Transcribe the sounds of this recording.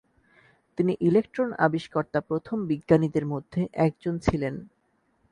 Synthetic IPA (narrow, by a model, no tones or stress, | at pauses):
t̪iniʔilekʈɾonʔa̰biʃkɔɾt̪apɾot̪ʰombiɡːanid̪eɾmod̪ʱːeʔɛk̚d͡ʑont͡ɕʰilen